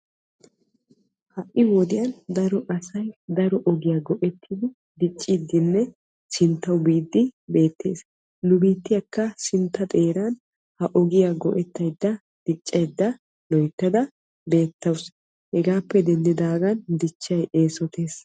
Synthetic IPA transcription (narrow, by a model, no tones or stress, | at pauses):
hɐʔːɪwɔd̪ɪjɐnd̪ɐɾɔʔɐsɐjd̪ɐɾɔʔɔɡɪjaɡɔʔɛt̪ʰːɪd̪ɪ | d̪ɪt͡ʃʼːɪd̪ɪnːɛ | sɪnt̪ːɐwbiːd̪ːɪbe̞ːt̪ːe̞̰ːs | nʊbiːt̪ːɪjɐkːɐsɪnt̪ːɐt̪ʼe̞ːɾɐn | hɐʔɔɡɪjaɡɔʔɛt̪ːɐjd̪ːɐ | d̪̥ɪt͡ʃʼːɐjd̪ːɐ | lɔjt̪ːɐd̪ɐ | be̞ːt̪ːɐws | hɛɡaːpːɛd̪ɛnd̪ɪd̪aːɡɐnd̪ɪt͡ʃːɐjʔe̞ːsɔt̪ʰe̞ːs